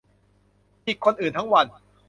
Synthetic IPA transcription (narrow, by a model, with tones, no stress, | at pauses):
ʔiː˨˩kʰːo˧nʔɯː˨˩nt̪ʰŋwa˧n